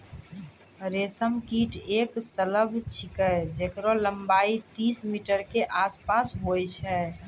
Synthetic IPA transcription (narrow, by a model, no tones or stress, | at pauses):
ɾesəmkiːʈʰeːksələbʱt͡ʃʰɪkəd͡ʒekɾoləmbaːit̪iːsmiʈəɾkeʔaːspaːsɦojt͡ʃʰɛː